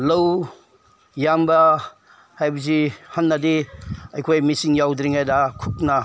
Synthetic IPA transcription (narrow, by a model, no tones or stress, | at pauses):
lɐw | jambɐ | hajbuzihɐnːɐdiɐjkʰojmisiŋjawdɾiŋhajdakʰuk̚na